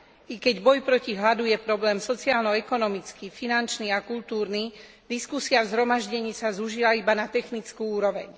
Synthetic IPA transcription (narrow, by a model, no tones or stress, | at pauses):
ikɛɟbɔjpɾɔciɦlad̪ujɛpɾɔblɛːmsɔt͡siaːlnɔɛkɔnɔmit͡skifinant͡ʃniakult̪uːɾni | d̪iskusiavzɦɾɔmaʒɟɛɲiːsazuʒilaibanat̪ɛxnit͡skuuːɾɔʋɛ̰ɲ